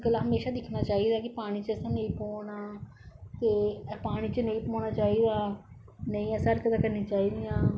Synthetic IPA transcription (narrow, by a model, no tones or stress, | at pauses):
ɡəlːaːɦəmeːʃaːd̪ɪkʰnaːt͡ʃaːɦiːd̪aːkɪpaːɽ̃iːt͡ʃɛːsãːnə̃ĩːpoːnaː | t̪eːpaːɽ̃iːt͡ʃənə̃ĩːpoːñaːt͡ʃaːiːd̪aː | nəĩːəsəɾkəd̪aːkəɾnĩːt͡ʃaːiːd̪ɪjãː